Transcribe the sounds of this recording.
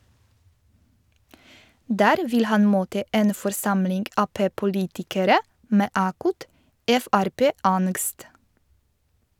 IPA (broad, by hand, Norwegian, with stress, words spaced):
ˈdæːɾ ˈʋɪl ˈhɑn ˈmoːtə ˈʔeːn fɔɾˈsɑmlɪŋɡ ˈɑːpeːpʊˌliːtɪkəɾə ˈmeː ˈʔɑːkʊt ˈʔɛfæɾˌpeːˌɑnɡst